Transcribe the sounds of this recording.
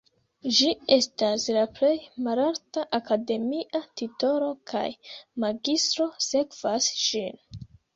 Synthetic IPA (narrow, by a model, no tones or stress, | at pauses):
d͡ʒie̞staslaple̞jmalaɾtaʔakade̞miʔatito̞ɾo̞kʰa̰jmaɡistɾo̞se̞kv̥asʃin